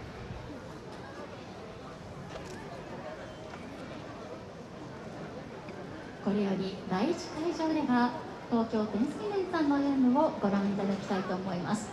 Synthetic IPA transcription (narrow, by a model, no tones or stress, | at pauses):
ko̞ɾe̞jo̞ɾʲid̪aiːt͡ɕi̥kaiʑo̞ːd̪e̞ɡa | t̪o̞ːkʲo̞ːt̪enĩsɨ̥kʲineit̪anːoajɯmɯ̟o̞ɡo̞ɾãɰ̃it̪ad̪akʲi̥t̪ait̪o̞ːmo̞imasɨ̥